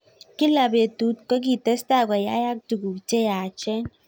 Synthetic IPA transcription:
ki˦la˨be˨tu˨˦t̚kɔ˦k̬i˦˨te˦sta˦˨ka˨ja˦ja˦k̚tu˨ɡu˨te˦ja˨t͡ʃɛ˦n

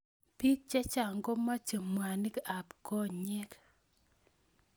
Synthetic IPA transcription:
pi˦k̚t͡ʃɛ˦t͡ʃa˨ŋɡo˦ma˦t͡ʃə˨mwa˨ni˦ka˨pkɔ˦ɲɛ˦k

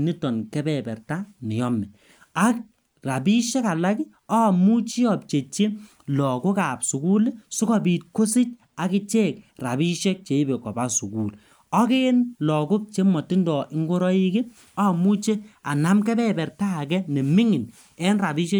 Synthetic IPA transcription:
ni˦tɔ˨nkɛ˦bɛ˨bɛ˨ɾta˦nɪ˨jɔ˦mɛ˨ | a˦k̚ | ra˨bi˦ʃɛ˦ka˨la˦ki˦ | ɔ˦˨mu˦t͡ʃi˦ɔ˨p̚t͡ʃe˨t͡ʃe˦ | lɔ˨kʊ˦ka˨psu˨ɡu˦lsu˦kɔ˨bi˨t̚ko˦sɪ˦t͡ʃ | a˨kɪ˦t͡ʃe˦˨k̚ra˨bi˦ʃe˦k̚t͡ʃe˨i˦be˨kɔ̰˨ba˦su˨ɡu˨l | ɔ˦ke˦nlɔ˨kʊ˦k̚t͡ʃe˦mɔ˨ti˦ndɔ˨ʔɪ˦ŋɡo˦ɾɔ˦i˦kɪ˦ | ɔ˦˨mu˦t͡ʃe˦a˨na˦mkɛ˦bɛ˦bɛ˨ɾtaː˦˨kɛ˦nɛ˨mɪ˦ŋɪ˨n | ɛ˦nra˨bi˦ʃe˦

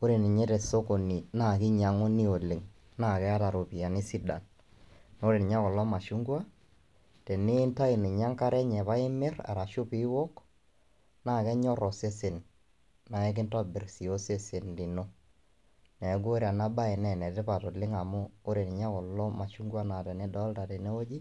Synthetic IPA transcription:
o˦ɾe˨nɪ˨ɲe˦tɛ˨so˦ko˨ni˨na˦˨kɪ˦ɲa˨ŋo˦ni˦o˨lɪ˨ŋ | na˦˨kɛ˦a˦ta˨ɾo˨pi˨a˨nɪ˦si˦da̰˨n | no˦ɾe˨nɪ˨ɲa˦kɔ˨lɔ˦ma˨ʃu˦ŋɡwa˦ | tɛ˨ne˦nta˦i˨nɪ˨ɲa˦ŋka˦ɾɛ˦ɲɛ˨pa˦ɪ˦mɪ˦ra̰˨ɾa˨ʃʊ˦pɪ˦wɔ˦k | naː˦˨kɛ˦ɲɔ˦ɾɔ˨se˦se˨n | na˨ɛ˦k̬ɪ˦ntɔ˦bɪ˨rsi˨o˦se˦se˨nli˨no˦ | nɛ˨˦ɡo˦ɾa˨na˦ba˦ɪ˨nɛ˨nɛ˨tɪ˦pa˨to˨lɪ˦ŋa˨mʊ˦o˦ɾe˨n˨ɲa˦kɔ˨lɔ˦ma˨ʃu˦ŋɡwa˦na˨tɛ˨nɛ˦dɔ˦lta˨tɛ˨ne˦o˦d͡ʒi˦

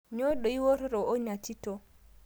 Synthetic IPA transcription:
ɲɔ˦ɗɔ˨i˦wɔ˦ɾɾɔ˨o˦ɲa˨ti˦tɔ˨

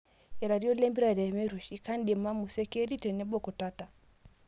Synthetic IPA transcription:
jɛ˨ɾa˨ɾi˦ɔ˦lɛ˦mbi˦ɾa˨ɾɛ˨mɛ˦ɾu˨ʃi˨ka˦ndɛ˨ma˦mu˨sɛ˦kɛ˦ɾi˦tɛ˨nɛ˦bɔ˦kɔ˨ta˦ta˨

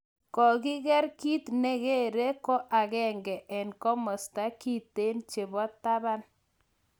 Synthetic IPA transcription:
kɔ˨ki˦ɣɛ˦ɾki˦tnɛ˦ɣe˦ɾe˦kɔ˦ʔa˨ɣɛ˦ŋɡɛ˨ʔɛ˨nkɔ˦mɔ˨sta˦ki˦te˦nt͡ʃe˨βɔ˦tːa˦βa˦n

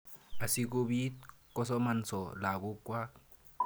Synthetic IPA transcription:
a˨si˦k̬u˦bi˦kɔ˦sɔ˦ma˨n̩˨sɔ˨la˨ku˦kwa˦

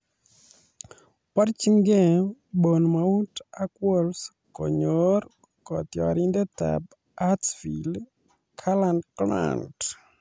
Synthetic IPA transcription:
pa˦ɾt͡ʃi˦ŋɡe˦˨bo˨nmau˦ta˦kwɔ˦ls | kɔ˨ɲoɾ | kɔ˨t̪jɔa˨ɾindɛ˦ta̰b̚ | atsfil | kʰalandkla̰nt

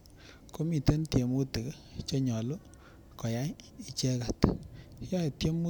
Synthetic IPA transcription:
ko˦mi˨te˦ntje˨mu˦ti˨k | t͡ʃɔ˦ɲɔ˨lu˦ | kɔ˨ja˦i˨t͡ʃe˦ka˨t | ɔ˦˨tje˦mu˦

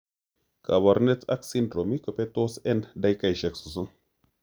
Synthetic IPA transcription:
ka̰˨ba˨ɾne˦ta̰˦ksindɾo˨mi˦kə˨pe˦t̪o˦sɛ˦nda˦jka˨jʃɛ˨ksu˨s̬u˦n

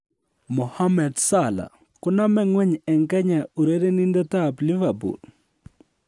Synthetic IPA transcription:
mɔ˨ha˦mɛ˨dsala̰˨ | kʊ˦na˦mɛ˦ŋwɛ˦ɲɛ˨ŋkɛ˦ɲa˨u˨ɾe˦ɾe˦ni˦ndɔ˦ta˦pli˦va˨bṵ˨l

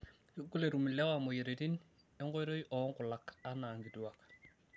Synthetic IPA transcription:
ku˦le˨ɾu˨milɛ˦wamɔ˨je˨ɾeti˦n | ɛ˦ŋɡɔ˦jɾo˦jʔɔ˦ŋkʊ˨laka˦naː˨ŋɡi˨tuwak

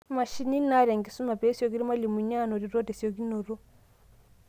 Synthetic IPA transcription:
ma˨ʃi˦ni˦na˦ɾɛ˨ŋɡe˨su˦ma˨pɛ˦sjɔ˨k̬i˦ɾi˦ma˦li˨mu˨ɲa˦no˨ɾi˨ɾɔ˦tɛ˨sjɔ˨ki˦no˨ɾo˦

